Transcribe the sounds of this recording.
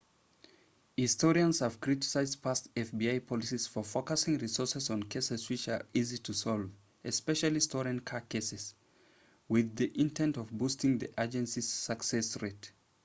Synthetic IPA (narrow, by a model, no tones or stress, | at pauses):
hɪstɔɹiə̃nz̥həv̥kʰɹ̥ɪtɪ̥saɪzd̚pʰastɛfbiaɪpʰɑlˠisiz̥fəfokəsɪ̃ŋɹisɔɹsəz̃n̩kʰeɪsɨz̥wɪt͡ʃə˞izitʰɨsɔlˠv | ɛspɛʃəlˠistɔɹɨ̃nkʰakʰeɪsɨz̥ | wɪðiʔɪ̃ntʰɛ̃ntʌvbustɪ̃ŋðiʔad͡ʒɛ̃nsiz̥səksɛsɹet